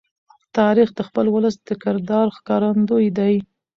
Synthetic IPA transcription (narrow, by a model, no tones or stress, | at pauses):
t̪ɑɾixd̪əxpəlwʊləsd̪̥əkɪɾd̪ɑɾxkɑɾand̪ojd̪aj